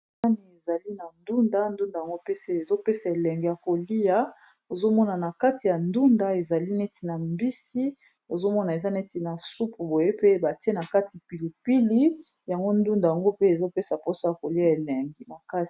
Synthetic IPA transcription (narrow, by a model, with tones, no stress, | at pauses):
a˦ni˨e˨za˨li˦na˨ndu˦nda˦ndu˦nda˨ja˨ŋɡo˦pe˦se˦e˨zo˦pe˦sa˨e˨lɛ˨ŋɡe˨ja˨ko˨li˦ja˦ | o˨zo˦mɔ˦na˨na˨ka˦ti˨ja˨ndu˦nda˨e˨za˨li˦nɛ˦ti˨na˨mbi˦si˦ | o˨zo˦mɔ˦na˨e˨za˦nɛ˦ti˨na˨su˦pu˨bo˨je˦pe˦ba˨ti˦e˦na˨ka˦ti˨pi˨li˨pi˦li˦ | ja˨ŋɡo˦ndu˦nda˨ja˨ŋɡo˦pe˦e˨zo˦pe˦sa˨po˦so˦ja˨ko˨li˦a˨e˨lɛ˨ŋɡi˨ma˨ka˦si̥˨